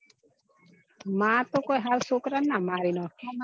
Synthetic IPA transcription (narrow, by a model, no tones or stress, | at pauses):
mat̪okojɦalsokɾanːamaɾinɔ